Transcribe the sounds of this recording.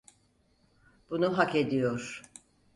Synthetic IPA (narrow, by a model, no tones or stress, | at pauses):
b̥unuɦake̞d̪ijoɾ̥